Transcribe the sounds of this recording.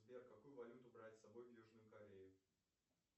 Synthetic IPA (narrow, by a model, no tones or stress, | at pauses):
zbʲerkɐkujʊvɐlʲut̪ʊbɾatʲsɐbo̞jvjuʐnʊjʊkɐɾʲejɪ